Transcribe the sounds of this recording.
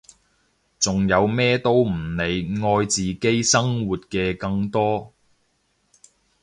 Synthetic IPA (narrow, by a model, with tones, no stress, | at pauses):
t͡sʊ˨ŋjɐ˨˧wmɛː˥t̪o˥wm̩˨˩ne˨˧jŋɔː˧jt͡siː˨ke˥jsɐ˥ŋwuː˨t̚kɛː˧kɐ˧ŋt̪ɔː˥